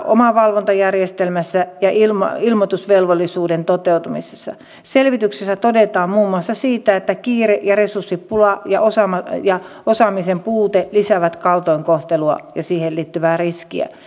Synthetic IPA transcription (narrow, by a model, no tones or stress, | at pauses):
ʔo̰mɑʋɑlʋont̪ɑjærjest̪elmæsːæjɑʔilm̰ilmot̪usʋelʋolːisuːdent̪ot̪eut̪umise̥sːɑ̰ | selʋit̪yksesːæt̪odet̪ɑːmmuːmːuɑsːɑsiːt̪æet̪ːækiːreʔjɑresursːippulɑjɑʔosɑmɑjɑ | osɑmisempuːt̪elisæʋæt̪kɑlt̪oiŋkoht̪eluɑ̰jɑsiːhelliːt̪ːyʋæːriskḭæ̰